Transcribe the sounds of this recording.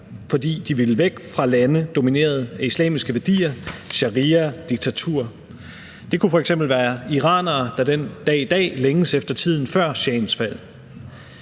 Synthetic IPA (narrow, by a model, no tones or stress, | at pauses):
fɒ̽d̥ḭːd̥iʋiləʋeɡ̥fʁɑ̈lænəd̥o̝mine̝̰ːɐð̞ˠæislɛ̰ːmisɡ̥əʋæɐd̥ḭːɐɕɑ̈ʁiːɐd̥iɡ̥̚t͡sʰæt͡sʰṵɐ̰ | d̥e̝kʰufɒ̽eɡ̥semb̥l̩ʋæːɐiʁɑ̰̈ːnɐːd̥ɑ̈d̥end̥ɛ̰ːid̥ɛ̰ːleŋəsefd̥ɐt͡sʰið̞̰ˠn̩fɶɐ̰ɕɛ̰ːnsfæl̰